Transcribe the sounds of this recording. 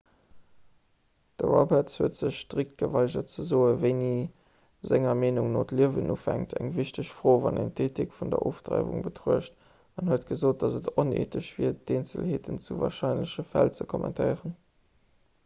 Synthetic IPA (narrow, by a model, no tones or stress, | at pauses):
d̥əʁɑbɛtshuətz̥əɕʃtʁik̚t̚ɡ̥əvɑɪʒɐtt͡səzoːəvəɪniː | zæŋɐmeːnuŋnoːtliəvənʔufæŋtʰæŋviɕtəɕfʁoːvɑnæŋtʰeːtʰikfundɐ̰ʔoːftʁɑ̰ɪvṵŋbətʰʁuəʃt | ɑnhuətɡ̥əzoːt̚d̥ɑzətʰonḛːtʰəʃv̥iːɐd̥eːnt͡sə̰lheːtənt͡suvɑ̰ːɐʃɑɪnləɕəfælt͡səkʰɔmʔɛ̰ntʰəɪʁən